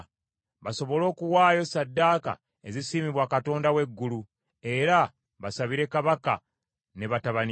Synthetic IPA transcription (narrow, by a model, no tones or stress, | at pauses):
βaso̞βo̞lo̞ːkuwaːjo̞sadːaːka̰ | e̞zisiːmiβwakato̞ːndawe̞ɡːulu | e̞ɾa | βasaβiɾe̞kaβaka̰ | ne̞βataβan